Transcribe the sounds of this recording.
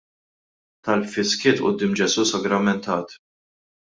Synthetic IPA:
t̪ɐlpfɪskɪːt̪ʔʊ̰d̪ːɪːmd͡ʒɛsuːsɐɡɾɐmɛnt̪ɐːt̪

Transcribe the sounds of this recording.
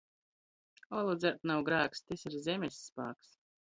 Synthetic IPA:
ɔlˠud̪zʲat̪nawɡɾaːkst̪isʲiɾzʲɛmʲesʲːpa̰ːks

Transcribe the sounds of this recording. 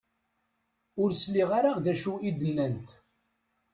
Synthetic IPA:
ʊɾsliʁaɾaʁðæʃuid̪ənːænt̪

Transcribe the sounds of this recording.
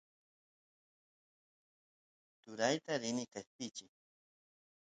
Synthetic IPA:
t̪ʊɾajt̪aɾɪnɪkasp̪ɪt͡ʃɪ

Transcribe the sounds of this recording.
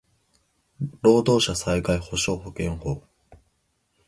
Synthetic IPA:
ɾo̞ːd̪o̞ːɕasaiɡaiho̞ɕo̞ːho̞kẽ̞ŋhoː

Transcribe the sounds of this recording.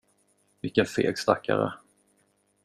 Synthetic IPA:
mʏkːənfeːɡst̪akːaɾə

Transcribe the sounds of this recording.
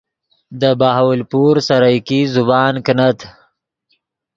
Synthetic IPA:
d̪əbahawlpuɾsaɾajkizubɑːnkənat̪

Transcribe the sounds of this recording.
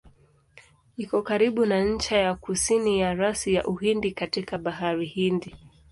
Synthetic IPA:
ikɔkaɾiɓunaɲ̩t͡ʃajakusinijaɾasija̰ʔuɦindikatikaɓaɦaɾihindi

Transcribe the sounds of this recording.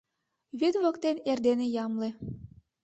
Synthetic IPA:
βid̪βokt̪enerd̪enejɑmlĕ

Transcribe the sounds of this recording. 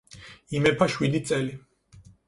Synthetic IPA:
imɛpʰaʃwid̪it̪sʼɛli

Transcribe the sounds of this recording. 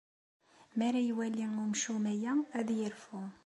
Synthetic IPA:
mæɾæjwæliumʃumæjææðjəɾfu

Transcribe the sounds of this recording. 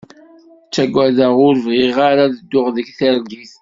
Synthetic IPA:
t͡sːæɡʷːæðəʁʊɾvʁiʁaɾaðəd̪ːʊʁðəɡθəɾɡiθ

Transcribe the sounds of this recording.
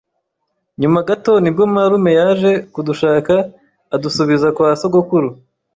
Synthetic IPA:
ɲumaɡato̞nibɡomaɾume̞jaʒe̞kuduʃaːkaː | dusuβizakwaːsoɡokuɾu

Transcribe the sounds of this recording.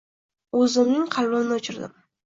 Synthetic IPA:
ɵzɪmnɪŋqʰɑlˠbɪnnɪot͡ʃʰɪɾd̪ɪ̰m

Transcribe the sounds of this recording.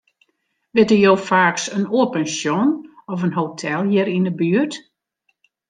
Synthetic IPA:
ʋɪtəjoːfaːksənoəpɛnsjonɔfənɦotʰɛlˠjɪɾinəbyːərt

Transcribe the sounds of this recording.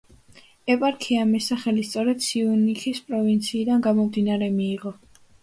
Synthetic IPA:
ɛpʼaɾkʰiamɛsaχɛlist̪sʼɔɾɛd̪̥siunikʰispʼɾɔvint̪sʰiːd̪anɡamɔmd̪inaɾɛmiːʁɔ

